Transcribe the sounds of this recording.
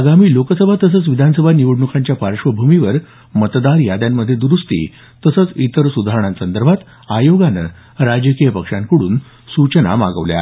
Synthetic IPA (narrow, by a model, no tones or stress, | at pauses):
aɡamiːlokəsəbʱat̪əs̬ət͡sʋid̪ʱansəbʱaniʋəɽɳukʰaɲt͡ɕjapaɾʂʋəbʱumiʋəɾ | mət̪d̪aɾjad̪jamːəd̪ʱːjed̪uɾust̪ḭː | t̪əsət͡sit̪əɾsud̪ʱaɾəɳãnsənd̪əɾbʱat̪ | ajoɡanə̰ | ɾad͡ʑəkijəpəkʂaŋkəɽuːn | sut͡ɕəna̰ma̰ɡə̰ʋlja̰